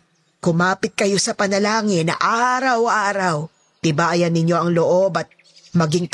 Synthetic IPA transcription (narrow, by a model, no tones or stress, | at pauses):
kʊmaːpɪt̪̚kɐjo̞sɐpɐnɐlaːŋɪnːɐ̰ʔaːɾɐwʔaːɾɐw | t̪ɪbaːjɐnːɪɲjo̞ʔɐŋloʔo̞bɐt̪̚ | mɐɡiŋt̪